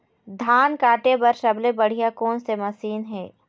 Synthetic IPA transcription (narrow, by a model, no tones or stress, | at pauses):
d̪ʱaːnkaːʈebɐɾʃɐblebɐɽ̤ijakoːnsemɐsiːnɦɛː